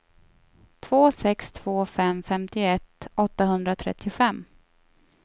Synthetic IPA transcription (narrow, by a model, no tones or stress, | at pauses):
t̪ʰv̥oːsɛkst̪ʰv̥oːfɛmfɛmt̪ɪʊɛt̪ːɔt̪ːahɵnd̪ɾat̪ʰɾɛ̰t̪ːɪʊfɛmː